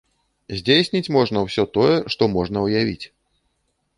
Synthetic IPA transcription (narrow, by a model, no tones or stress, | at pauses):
zʲd͡zʲejsʲnʲit͡sʲmɔʐnɐwsʲɔt̪ɔjɛʂt̪ɔmɔʐnɐwjavʲḭt͡sʲ